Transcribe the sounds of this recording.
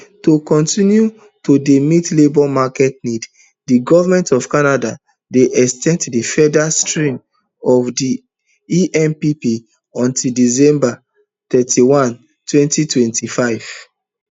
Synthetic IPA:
tokɔ̃ntĩnju | todemitlebɔmakɛt̚nid | diɡɔvamɛ̃ntɔv̥kanada | deʔɛkstʰɛ̃nddifɛdastɹĩm | ɔvdi | iʔɛ̃mpipi | ɔ̃ntʰildizɛ̃mba | tɛtʰiwãn | twɛ̃ntitwɛ̃ntifaɪv

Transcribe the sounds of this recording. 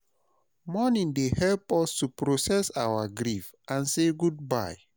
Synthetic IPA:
mɔnĩndehɛlpɔstupɹosɛsawaɡɹif | ãnseɡud̚ba̰ɪ

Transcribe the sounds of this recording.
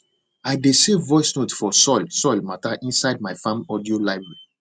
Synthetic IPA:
aɪdesevɔɪsnotfɔsɔɪlsɔɪlmataʔĩnsaɪd̚maɪfãmɔdiolaɪbɛɹi

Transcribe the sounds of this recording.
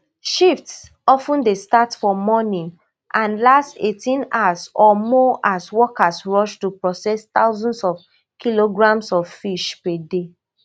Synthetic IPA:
ʃifts | ɔfũndestatfɔmɔnĩn | ʔãnlastetʰĩna̰asɔmɔʔaswɔkasɹɔʃtupɹɔsɛst̪aʊzɔ̃nsɔv | kʰiloɡɹãmsɔvfiʃpɛde

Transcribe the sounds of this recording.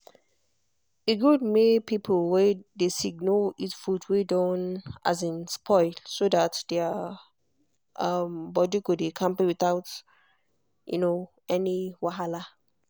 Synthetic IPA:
iɡudmepʰipʰolwɛdesiɡnoitfudwedɔ̃na̰zĩnspʰɔɪlsodatdɛa | ʔambɔdikudekʰãmpiwiθaʊt | jṵno | ɛniwaɦala

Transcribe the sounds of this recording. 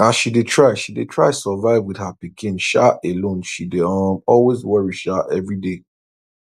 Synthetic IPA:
aʃidetʰɹaɪʃidetʰɹaɪsəvaɪvwidhapikʰɪ̃nʃaʔelõnʃideamɔlwezwɛɹiʃaʔɛvɹide

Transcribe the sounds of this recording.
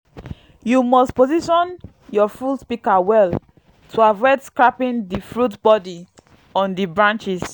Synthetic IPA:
jumɔstpoziʃɔ̃n | jɔfulspikawɛl | tʰuavɛtkɹapĩndifɹutbɔdi | ɔ̃ndibɹãnt͡ʃis

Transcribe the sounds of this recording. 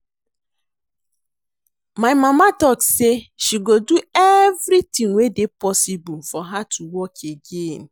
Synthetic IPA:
maɪmamatɔksseʃiɡoduevɾitĩŋwedepɔsibufɔɦatʰuwɔkʰeɡen

